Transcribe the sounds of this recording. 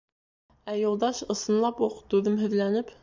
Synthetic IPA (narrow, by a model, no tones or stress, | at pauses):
æjolˠd̪ɑʃɤ̆sɤ̆nlˠɑpuqt̪ʉðɘmɦɵ̆ðlænɘp